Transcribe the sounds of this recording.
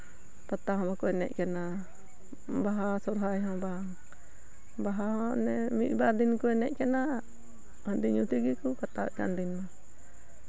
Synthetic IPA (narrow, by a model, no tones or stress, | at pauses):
p̪at̪ahɔ̃bakɔɛnɛ̰ʔkɛna | baɦasɔɾɦajɦɔ̃baaŋ | baɦaɦɔ̃nɛmiʔbaɾd̪inkuɛnɛʔkɛna | həndiɲut̪iɡikukat̪a̰ɛka̰ndinma